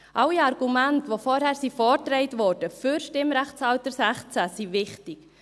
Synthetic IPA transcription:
ʔɑwiɑɾɡ̥umæntʋofɔɾhæːɾsifɔtɾɛɪtvɔɾd̥əfʏɾʃtɪmɾæχt͡sɑltəɾsæχt͡sæsivɪχtɪk

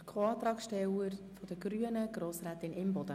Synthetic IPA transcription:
kʰoɑːt̪ɾɑːksʃtɛwəɾfɔd̥̪əɡ̥ɾyənəɡ̥ɾoːsɾæːt̪ɪnɪmbɔd̪ə

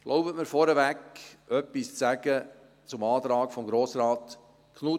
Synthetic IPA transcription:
ɡ̥lʔoʊbətməɾfɔɾɛvækœpːist͡sæɡə | t͡sʊmɑːt̪ɾɑːkfɔmɡɾoːsɾaːt̪ | kʰnu

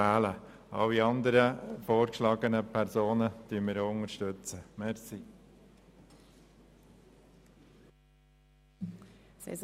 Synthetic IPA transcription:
æːlə | ɑ̰wiɑnd̪əɾəfoːɾkʃlɑːɡənəpʰɛɾsoːnət̪yːəmɪːɾoʊŋəɾʃtɵt͡səmɛɾsi | sḛz

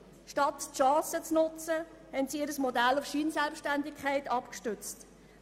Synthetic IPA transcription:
ʃtɑtʃɑ̃ːsət͡snʊt͡sə | hɛntsiɪɾəsmɔdælufʃiːnsɛlpʃtændɪkʰɛɪtɑpkʃtʏt͡st

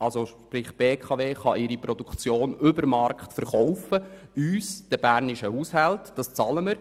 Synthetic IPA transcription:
ɑlsoʃpɾɪχb̥eːkʰɑveːχɑʔɪɾipɾɔdukt͡sjoːnʏbəɾmɑrkχtfəɾχɔwfə | yːsd̥əb̥æɾniʃəhuːshaltd̥ɑst͡sɑləməɾ

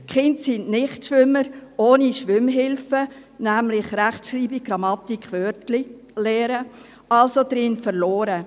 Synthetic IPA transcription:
kχɪnt̪sinnɪχtʃʋʏmːəɾoːniʃʋʏmɦɪlfə | næmlɪχɾæχtʃɾiːbiɡɾɑmɑt̪ikχʋœɾtli | lɛːɾə | ɑlsod̪̥ɾɪnfəɾloːɾə

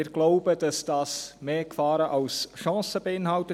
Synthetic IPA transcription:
ɪɾɡ̥loʊbəd̥ɑsd̥ɑːsmeːkfɑːɾəʔɑlsʃɑ̃ːsəbəɪnɦɑltə

